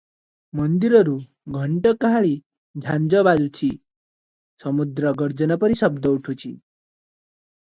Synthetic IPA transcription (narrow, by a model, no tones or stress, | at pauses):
mʌnd̪iɾɔɾu | ɡʱʌɳʈɔkaɦaɭi | d͡ʒʱand͡ʒɔbad̪ut͡ʃʰi | sʌmud̪ɾʌɡʌɾd͡ʒʌnɔpʌɾisʌb̚d̪ɔuʈʰut͡ʃʰi